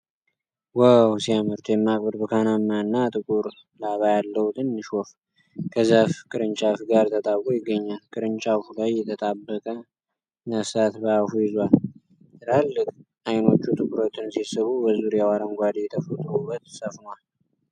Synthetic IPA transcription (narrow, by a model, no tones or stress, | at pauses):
wawsiamɨɾt̪ʰjɛmːakʼbəd̪bəkʰanamːaɨnːat̪ʼɨkʼuɾ | laβajalːəwut̪ʰɨnːɨʃwɔf | kʰəzafkʼɨɾɨɲt͡ʃʼafɡaɾt̪ʰət̪ʼaβkʼojɪɡːəɲːalkʼɨɾɨɲt͡ʃʼafulajːɛt̪ʰət̪ʼabːəkʼə | nəsat̪bəafujɪzwal | ɨɾʰalːɨkʼʔajno̞t͡ʃːut̪ʼɨkʼuɾo̞t̪ʰɨnsisɨβubəzuɾjawaɾənɡʷad̪ijɛt̪ʰəfət̪ʼɾubːət̪səfnwal